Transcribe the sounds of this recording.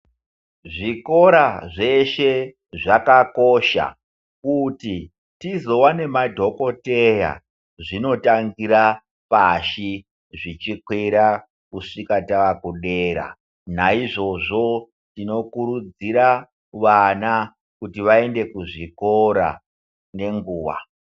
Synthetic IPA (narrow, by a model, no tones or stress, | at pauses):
ʐiko̞ɾaʐe̞ʃe̞ | ʐakako̞ʃa̰ | kuti | tizo̞wane̞madʱo̞ko̞teja̰ | ʐino̞taŋɡiɾa | paʃi | ʐit͡ʃikweɾa | kuʂikataʋakuɗeɾa̰ | naiʐo̞ʐo̞ | tino̞kuɾud͡ziɾa | ʋana | kutiʋae̞nde̞kuʐiko̞ɾa̰ | ne̞ŋɡuːʋa̰